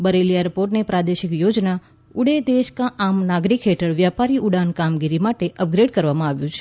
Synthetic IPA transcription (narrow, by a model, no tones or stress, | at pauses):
bəɾelieɾpoɾʈnepɾad̪eʃɪkjod͡ʒna | ʊɽed̪eʃkãʔamnaɡɾikɦeʈəɾʋjapaɾiʔʊɽankamɡiɾimaʈeʔəp̚ɡɾeɖkəɾʋamãaʋjũt͡ʃʰe